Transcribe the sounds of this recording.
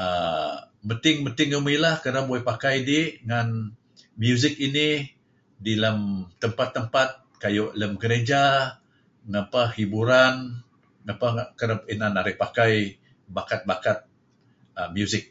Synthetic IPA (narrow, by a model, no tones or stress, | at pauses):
ə | mpənt̪ɪŋpənt̪ɪŋəmilahkədaboɛpakajdiŋan | mjuzɪk̚ini | diləmt̪əmpat̪ːəmpat̪̚ | kajoʔləmɡəɾed͡ʒa | ŋapahibuɾan | ŋapakəɾapinanaɾɪhpakaj | bakat̪̚bakat̪̚ | əmjuzɪk̚